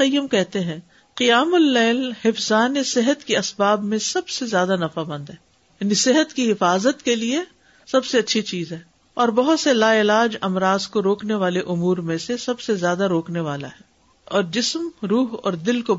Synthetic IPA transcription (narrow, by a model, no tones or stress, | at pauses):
ɐjːəmkɛɦt̪eɦɛ̃ | qɪjaːmʊlːɛːlhɪfzaːnesɪɦət̪kiɐsbaːbmẽsɐbsezjaːd̪anɐfabɐ̃nd̪ɦɛː | jjaːnisɪɦət̪kiɦɪfaːzət̪kelie | sɐbseɐtːʃʰit͡ʃiːzɦɛː | ɔːɾbɐɦʊt̪selaːɪlaːd͡ʒɐmɾaːzkoɾoːkneʋaːleʔʊmuːɾmẽsesɐbsezjaːd̪aɾoːkneʋaːla̰ɦɛː | ɔːɾd͡ʒɪsmɾuːɦɔ̰ːɾd̪ɪlko